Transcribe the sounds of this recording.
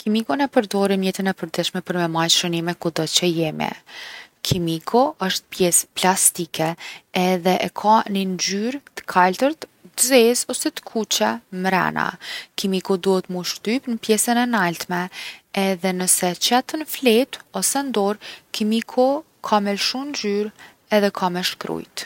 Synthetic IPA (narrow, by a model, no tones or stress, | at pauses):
kimikɔnɛpəɾd̪ɔɾimjɛt̪inɛpəɾd̪ɛʃmɛpəɾmɛmajʃɾənimɛkud̪ɔt͡ɕəjɛmɛ̰ | kʰimikʰɔəʃt̪pjɛsplast̪ikʰɛː | ðɛʔɛkʰanind͡ʒyɾt̪ə̥kʰalt̪əɾt̪t̪əzɛzɔsɛt̪ə̥kʰut͡ʃɛmɾɛ̰na̰kimikɔd̪uhɛt̪muʃt̪ypnəpjɛsənɛnalt̪mɛɛðɛnəsɛt͡ʃɛt̪ənflɛt̪ɔsɛnd̪ɔɾkimikʰɔ | kʰamɛlʃumnd͡ʒyɾ | ɛðɛkʰamɛʃkɾṵjt̪